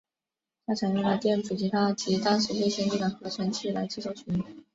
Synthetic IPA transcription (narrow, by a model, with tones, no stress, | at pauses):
t͡ɕ̪ʰa˥˩ʈ͡ʂʰa˨˩ŋɛ˥˩lə˧˥t̪jɛ˥˩nʈ͡ʂu˨˩t͡ɕi˧˥t̪ʰa˥t͡ɕi˧˥t̪ɑ˥ŋʂɻ̩˧˥t̪we˥˧ɪɕjɛ˥nʈ͡ʂi˥˩d̪ə˩xɤ˧˥ə˧˩wa˧˥nt͡ɕʰi˥˩la˧˥ɪʈ͡ʂɻ̩˥˩ʂɑ˥˩ʊɕʰy˧˥n˨˥